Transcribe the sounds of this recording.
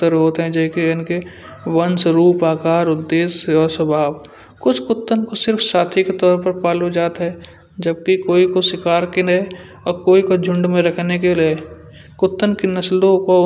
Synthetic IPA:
t̪əɾɦoːt̪ɦɛ̃d͡ʒɛkeɪnke | wɐnsɾuːpaːkaːɾʊd̪ːeːsɔːɾsɐbʱaːb | kʊt͡ʃʰkʊt̪ːənkosɪɾfsaːt̪ʰiket̪ɔːɾpɐɾpaːlud͡ʒaːt̪ɦɛː | d͡ʒɐb̚kikoːikosɪkaːɾkini | ɔːɾkoːikod͡ʒʱʊ̃ɳɖmẽɾɐkʰnekeleː | kʊt̪ːənkinɐslõko

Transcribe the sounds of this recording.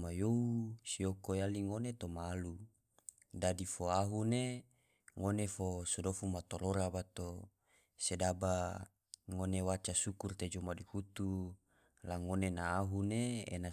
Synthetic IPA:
majousiokojaliŋonet̪omaːlu | dadifoaɦune | ŋonefosodofumat̪oɾoɾabat̪o | sedaba | ŋonewat͡ʃasukurt̪ed͡ʒomaduhut̪u | laŋonenaːɦuneḛna

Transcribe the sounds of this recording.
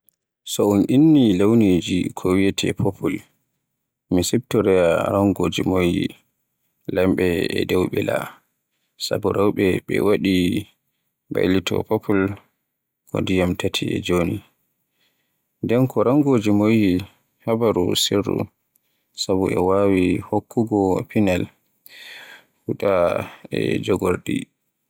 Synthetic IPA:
sɔunʔinːilawnid͡ʒikʰɔwijɛtʰɛ̰pʰopʰul | misib̚tɔɾɛjaɾaŋɡoːd͡ʒimojḭ | lamɓɛɛdɛwɓɛla̰ | sa̰buɾawɓɛɓɛ̰waɗi | ba̰jlitʰɔ̰papʰul | kɔ̰ndijamtatʰiɛ̰d͡ʒoni | ndɛnkʰɔɾaŋɡod͡ʒimoji | habaɾusirːṵ | sabuɛwawihokʰːuɡɔpinal | hutaɛd͡ʒɔɡɔɾɗḭ

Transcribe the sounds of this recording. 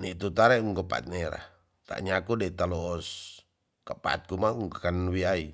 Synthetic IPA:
niʔt̪ut̪aɾɛuŋkəpa̰t̪̚neɾa̰h | t̪a̰ʔɲakudet̪alɔːs | kəpa̰t̪̚kumauŋkakanwiai

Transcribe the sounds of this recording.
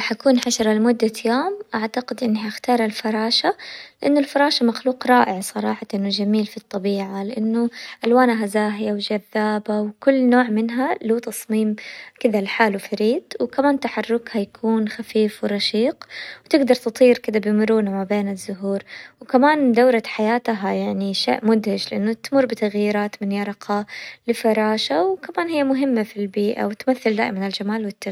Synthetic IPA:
ħakuːnħaʃɑɾˤɑlmʊd̪ːajoːmʔaʕt̪aqɪd̪ʔɪnːɦaaxt̪ɑːɾˤalfɑɾˤɑːʃalɪʔanːʊlfɑɾˤɑːʃamaxluːqɾˤɑːʔɪʕsˤɑɾˤɑ̰ːħɑʔɪnːʊd͡ʒamiːlfit̪ˤːɑbiːʕalɪʔanːʊʔalwaːnaɦazaːɦɪjawd͡ʒaðːaːbawkʊlːnoːʕmɪnɦaluːt̪ɑsˤmiːmkɪd̪alħaːlwfaɾiːd̪wkamaːnt̪aħɑrˤːʊkhajakʰuːnxafiːfwɪɾˤɑʃiːqwt̪ɪɡd̪ɑɾˤt̪ɨt̪ˤiːɾkɪd̪abɪjmʊɾuːnamabeːnɪzːʊɦuːɾwkamaːnd̪awɾˤaħajaːt̪ɦajaʕniʃḛːʔmʊd̪hɪd͡ʒlɪʔanːʊt̪mʊrːbɪt̪aɣjiːɾaːt̪mɪnjɑɾˤɑqʰɑlɪfɑɾˤɑːʃawkamaːnhɪjːamʊɦɪmːafilbiːʔa̰wɪt̪maθːɪld̪a̰ːʔɪmanɪld͡ʒamaːlwɪt̪ːa

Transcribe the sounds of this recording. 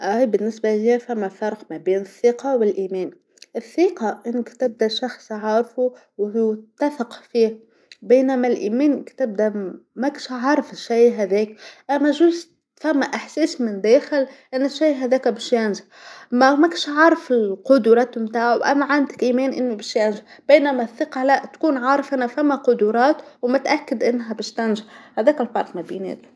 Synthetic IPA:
ʔæjbɪnːɪsbaliafamːafɑɾˤqmæbeːnɪθːiːqɑwɪlʔiːmɛːn | ʔɪθːiːqɑʔɪnːɪkt̪ɪb̚d̪aʃɑxsˤʕɑːɾfu | wt̪ːafɪqfiː | beːnamalʔiːmɛːnkt̪ɪb̚d̪amakʃʕɑɾˤfɪʃːaːɦæðɛːkʔamːæʒuːz | famːaʔɪħseːsmɪnd̪eːxɪlʔɪnːɪʃːajɦaðeːkbɪʃjanʒa | mamakʃʕɑɾˤɑfɪlqʊd̪uːɾˤɑːt̪ʊmt̪aːʕawʔa̰mːaʕand̪akʔiːmeːnʔɪnːubɪʃjanʒab̥eːnamaθːɪqɑlaʔt̪kuːnʕɑːɾˤɑfʔanːafamːaqʊd̪uɾˤɑːt̪wmʊt̪ʔakːɪd̪ʔɪnːɦabɪʃt̪anʒahæðeːkalbɑɾˤq̪mabḭːnḛːt̪

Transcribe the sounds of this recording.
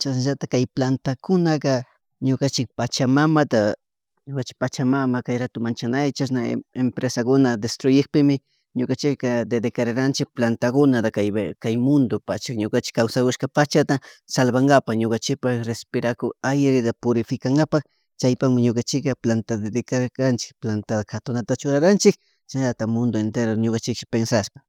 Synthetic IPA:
t͡ʃaʃnaʒat̪akajplant̪akʊnaka | ɲokant͡ʃɪk̚pat͡ʃamamat̪a | ɲokant͡ʃɪ̥k̚pat͡ʃamamakajɾat̪ʊmant͡ʃanajt͡ʃasna̰empɾesakʊnad̪est̪ɾʊjɪkpɪmɪ | ɲokant͡ʃɪkad̪ed̪ekaɾaɾant͡ʃɪk̚plant̪akʊnad̪akajkajmʊnd̪opat͡ʃakɲokant͡ʃɪ̥kːawsakʊʃkapat͡ʃat̪asalbaŋɡapaxɲokant͡ʃɪk̚paxɾespɪɾakoajɾɪd̪apʊɾɪfɪkaŋɡapak | t͡ʃajpaxmɪɲokant͡ʃɪkaplant̪ad̪ed̪ekakant͡ʃɪ̥k̚plant̪ad̪axat̪ʊnat̪at͡ʃʊɾaɾant͡ʃɪk̚ | t͡ʃaat̪amʊnd̪oent̪eɾoɲokant͡ʃɪkʃɪ̥pensaʃpḁ

